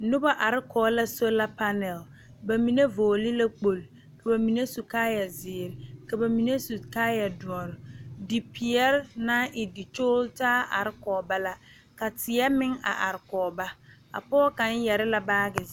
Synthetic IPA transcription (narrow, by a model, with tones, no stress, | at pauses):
nʊ˦ba˦ʔa˨ɾɪ˦kɔː˨˦la˦so˦la˦pa˦nɛ˨l | ba˨mi˨ne˦voː˨li˦la˦k͡po˨l | ka˨ba˨mi˨ne˦su˨kaː˦ja˨zɪː˨ɾɪ˨ka˨ba˨mi˨ne˦su˨kaː˦ja˨du˨ɔ˨ɾdɪ˨pi˨ɛ˦ɾna˦ʔɪ˨dɪ˨t͡ʃoː˦ltaː˦ʔa̰˨ɾɪ˦kɔː˨ba˦la˦ | ka˨tɪ˨ɛ˦mɪ˦ŋa̰˨ʔa˨ɾɪ˨kɔː˨ba˦ | a̰˨pɔː˦ka˨˦n˦jɛ˨ɾɪ˦la˦baː˦ɡɪ˨